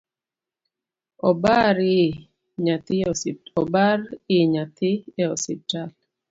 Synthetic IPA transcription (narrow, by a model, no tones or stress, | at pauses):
ɔbaɾɪ | ɲat̪ɪɔbaɾɪɲat̪ɪɛɔsital